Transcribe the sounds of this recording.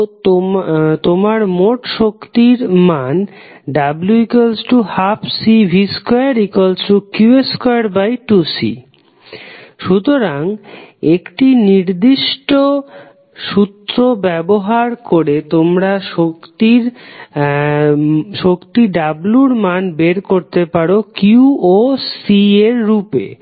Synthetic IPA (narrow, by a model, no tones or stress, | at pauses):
t̪omaɾmoʈʃokt̪iɾman | ɖabluikolsʈuhapʰsibʱiskojaɾikolsʈukjueskojaɾbajʈusḭ | ʃut̪oɾaŋekʈiniɾd̪iʃʈo | ʃut̪ːɾobɛboɦaɾkoɾet̪omɾaʃokt̪iɾ | ʃokt̪iɖabluɾmanbeɾkoɾt̪epaɾokuosieɾːupḛ